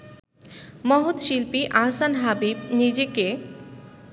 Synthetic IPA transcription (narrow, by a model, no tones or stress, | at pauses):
mɔɦut̪ʃilpiʔaːsanɦabib̚nid͡ʑeke